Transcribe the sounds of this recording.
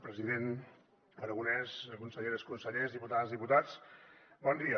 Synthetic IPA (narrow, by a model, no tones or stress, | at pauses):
pɾəziðen | əɾəɣunɛzkunsəʎeðəskunsəʎezðiput̪azðiput̪at͡sbɔnd̪iə